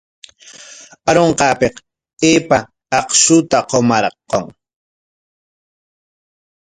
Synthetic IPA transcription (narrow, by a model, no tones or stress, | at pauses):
aɾoɴqɑːpeq | eːpa | ɑqʃʊt̪aqomɑɾqoŋ